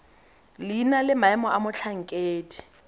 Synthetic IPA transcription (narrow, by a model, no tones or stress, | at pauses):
linalɪmaɛmɔamʊt͡ɬʰaŋ̩kʼeːdi̥